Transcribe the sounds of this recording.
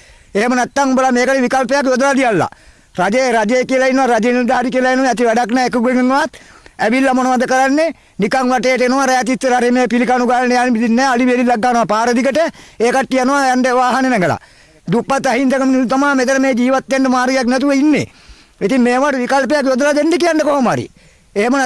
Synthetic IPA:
eɦemənɛt̪ːaŋubəlameːkəʈeʋikalpejakjod̪ɾad̪ijalːa̰ | rad͡ʒeɾad͡ʒejekiəlainːəʋaɾad͡ʒeniɾd̪ʱaɦaːɾikiəlainəʋaæt̪iʋæɖaknɛːekəkueŋeŋːʋat̪æʋilːamonoʋad̪əkəɾanːe | nikaŋʋaʈeːʈ̬əenoʋaɾɛjat̪̬it̪ːəɾaɾemeːpilikanuɡaːnejaːnebid̪innɛːaliʋelilːaɡːaːnoʋapaːɾəd̪ikəʈəeːkaʈːianoʋajaɳɖeʋaːɦanenɛɡəla̰ | d̪upːat̪ːaɦint̪ekəminisut̪amaːmet̪ənəmeːd͡ʒiːʋat̪ːeɳɖəmaːɾɡejaknɛt̪̬uʋeinːḛ | it̪iŋmeːʋaʈuʋikalpejakjod̪ɾad̪eɳɖekijaɳɖəkoɦoma̰ɾḭ | eɦemən

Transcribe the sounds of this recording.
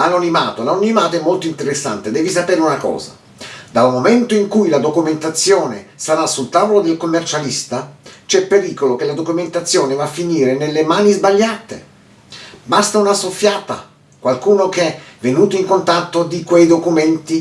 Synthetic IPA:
lanonimaːt̪olanonimaːt̪oɛmːolt̪oint̪eɾesːa̰nt̪ed̪ɛːvisapeːɾeunakɔ̰ːza̰ | d̪almoment̪oiŋkujlad̪okument̪at̪sːjɔːnesaɾasːult̪aːvolod̪elkomːert͡ʃalist̪at͡ʃɛpːeɾiːkolok̟elad̪okument̪at̪sːjɔːnevafːiniːɾenelːemaːnizbaʎːaːt̪ḛ | bast̪aunasofːjaːt̪a | kwalkuːnokɛvenuːt̪oiŋkont̪at̪ːod̪ikwejd̪okument̪i

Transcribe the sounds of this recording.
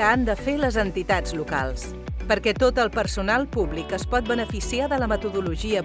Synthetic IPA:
əand̪əfeləzənt̪it̪ad͡zluka̰lˠs | pəɾkɛt̪ot̪əlˠpəɾsunalˠpuβlikəspɔt̪̚bənəfisiaðələmət̪uðuluʒiə

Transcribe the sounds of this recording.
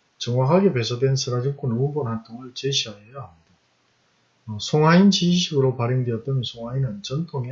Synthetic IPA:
t͡ɕʌŋwakʰaɡepe̞sʰʌdwe̞nsʰɯɾad͡ʑɯŋk͈onounbonhant͈ʰoŋɯɭt͡ɕeɕʰiɦaɦejaɦamɲida | ʌsʰoŋɦaint͡ɕiiɕʰiɡɯɾopaɾiŋdweʌt͈̚ʌmjʌnsʰoŋainɯnt͡ɕʌntʰoŋe

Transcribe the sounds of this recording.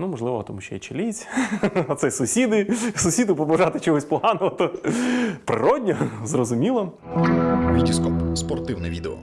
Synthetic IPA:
numɔʐlˠɪʋɔt̪ɔmuʃt͡ʃɛ̰jɛ̰t͡ʃelʲit͡sʲɔt̪sɛjsʊsʲid̪ɪsʊsʲid̪ʊpɔbɐʒɑt̪ɪt͡ʃɔɦɔsʲplˠɦɑnʊt̪ɔ | pɾɪ̰ɾɔdʲnʲɐzrɔzʊmʲilˠɐ | ʋʲidʲiskɔpspɔrt̪ɪwnɛʋʲid̪eɔ̰

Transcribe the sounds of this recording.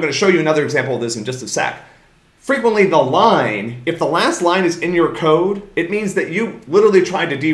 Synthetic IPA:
ɡʌnɨʃoʊjɨɨnʌðə˞ɨɡzæ̃mpl̩ˠʌvðɪsn̩d͡ʒʌstɨsæ̰k | fɹikwə̃nʔliðəlãɪ̃nɨfðəlæstˡlãɪ̃nɨzɨ̃njə˞kʰoʊɾɨt̚mĩnzðɨt͡ʃɨlɪɾə˞l̩ˠitʰɹ̥aɪɾɨdi

